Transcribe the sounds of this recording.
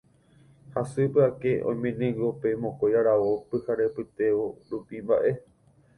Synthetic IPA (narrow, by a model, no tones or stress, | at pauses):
hasɨpɨake̞ʔõj̃mẽnĩɡope̞mõkojaɾaʋopɨhaɾepɨt̪e̞ʋoɾupimba̰ʔe̞